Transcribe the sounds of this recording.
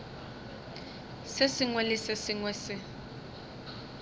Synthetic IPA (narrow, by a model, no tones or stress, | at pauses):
sɪsɪŋwɛlɪsesɪŋwɛsɪ